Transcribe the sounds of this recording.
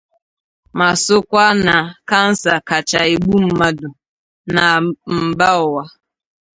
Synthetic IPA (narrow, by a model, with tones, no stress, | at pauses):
ma˨sʊ˦kʷa˦na˨ka˦n̩˦sa˨ka˨t͡ʃa˨e˨ɡ͡bu˦m̩˦ma˦dʊ˨ | na˨m̩˨ba˦ʊ˨wa˦